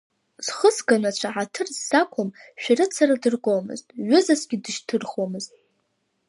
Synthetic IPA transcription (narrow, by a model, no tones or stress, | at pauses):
z̥χəsɡanat͡ɕʷʰaʕatʰɨrzːakʷʰam | ʃᶣaɾɨt͡sʰaradɨrkʷʼowmɨ̰ztʼɥʏzasɡʲidɨʃtʰɨrχwamɨztʼ